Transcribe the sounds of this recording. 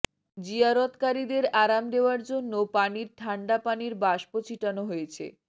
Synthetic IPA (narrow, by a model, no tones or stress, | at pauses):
d͡ʑiaɾot̪kaɾid̪eɾaɾamd̪eoaɾd͡ʑonːopaniɾt̪ʰaɳɖapaniɾbaʃpot͡ɕʰiʈanoɦojet͡ɕʰḛ